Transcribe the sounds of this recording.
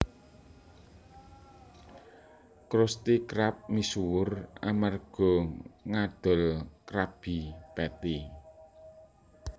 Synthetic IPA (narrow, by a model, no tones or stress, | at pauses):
kɾʊst̪ikɾap̚misuwʊramarɡ̥ɔ̤ŋaɖ̪̥ɔ̤lkɾab̥i̤pɛt̪i